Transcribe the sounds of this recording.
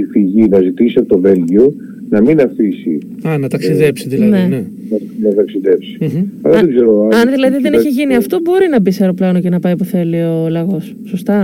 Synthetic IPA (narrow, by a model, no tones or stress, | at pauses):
ifiʝinɐzit̪isiɐpot̪ove̞lʝio | nɐminɐfisḭ | ɐnɐt̪ɐksiðepsiðilɐnee | nɐ | nɐt̪ɐksiðe̞psi̥ɐlɐðeɡze̞ɾoɐɐnðilɐðiðeniçeʝiniɐft̪obo̞ɾinɐbiseɐɾo̞plɐnoce̞nɐpɐjpuθe̞lio̞lɐɣo̞sːost̪ɐ